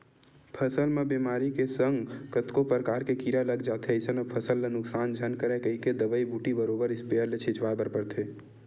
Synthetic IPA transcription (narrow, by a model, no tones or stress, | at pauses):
pʰəsəlmẽbimaːɾikesəŋɡkət̪kopɾəkaːɾkekiɾaləɡd͡ʒaːt̪ʰeəɪsənəpʰəsəlːenʊksaːnd͡ʒʱənkəɾɛkəɦiked̪əbəibuːʈibəɾoːbəɾɪspeəɾlet͡ʃʰɪt͡ʃʋabəɾpəɾt̪ʰeː